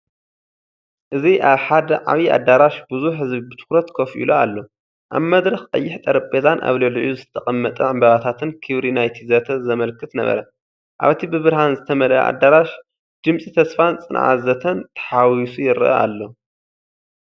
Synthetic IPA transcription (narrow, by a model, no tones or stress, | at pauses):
ʔɨziʔaβħad̪ɐʕaβia̰d̪ːaɾaʃbɨzuħhɨzβibɨt̪ʰɨ̥xɾɐt̪kʰofʔḭloa̰lːo̞ | ʔa̰βmɐd̪ɾɐxqʼɐjːɪħt̪ʼɐɾɐpʼːezanʔa̰βlɐlʕjuzɨt̪t̪ʰɐχʼɐmːɐt̪ʼɐʕɨmbɐβat̪ʰat̪ʰɨnkʰiβɾinajt̪ʰizɐt̪ʰɐzɐmɐlkʰːɨt̪nɐ̰βɐ̰ɾɐ̰ | ʔa̰βt̪ʰibɨβɨɾhanzɨt̪ʰɐmɐlɐ̰ʔa̰d̪ːaɾaʃ | d̪̥ɨmsʼit̪ʰɐsfant͡sʼɨnʕa̰zɐt̪ʰɐnt̪ʰɐ̥ħawisujɪɾɨʔɐ̰ʔa̰lːo̞